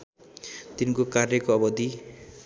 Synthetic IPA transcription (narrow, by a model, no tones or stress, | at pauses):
t̪inkokarjʌkoʌbʌd̪i